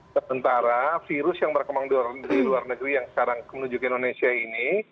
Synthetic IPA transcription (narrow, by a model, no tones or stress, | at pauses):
səmənt̪aɾafiɾʊsjaŋbərkəmaŋduardiluarnəɡɾijaŋsə̥kaɾaŋmənuɲd͡ʒukɪndonesiaini